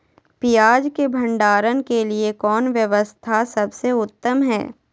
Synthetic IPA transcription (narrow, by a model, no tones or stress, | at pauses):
pijaːd͡ʒkebʱɐ̃ɳɖaːɾənkeliekɔːnʋjɐʋəst̪ʰasɐbseʊt̪ːəmɦɛ̰ː